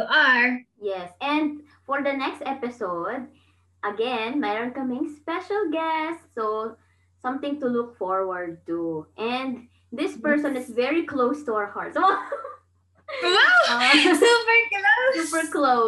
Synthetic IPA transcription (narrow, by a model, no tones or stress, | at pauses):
ʔaɹjɛsɛ̃nd̪̚ | fɔɹd̪ɐnɛkst̪ɛpɪsoʊd̪̚ | ʔɐɡɛ̃nmaə̃nkʌmẽŋspɛʃɐlˠɡɛstso | sʌ̃mt̪ɪ̃ŋt̪ʊlʊkfɔɹwɐɹd̪̚t̪uʔɛ̃nd̪ | d̪ɪspɛɹsɔ̃nɨsvɛɹikloʊst̪ʊaəɹhaɹtɔ | wasɪlvɛɹiafɛklo